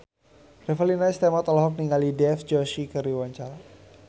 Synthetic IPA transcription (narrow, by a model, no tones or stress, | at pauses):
rɛfəlinaist̪emat̪ɔlaɦɔk̚niŋalidɛfd͡ʒɔʃikəɾiwaɲt͡ʃaɾa